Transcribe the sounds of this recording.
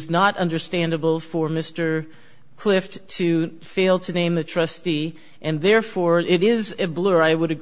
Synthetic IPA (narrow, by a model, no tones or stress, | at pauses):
znəɾʌ̃ndə˞stæ̃ndəbl̩ˠfə˞mɪstə˞ | kʰl̥ɪfttʰɨ | feɪlˠtʰɨnẽɪ̃mðɨtʰɹ̥ʌsti | ʔɨ̃nðɛɹfɔɹɪɾɪzɨblə˞aɪwəɾɨ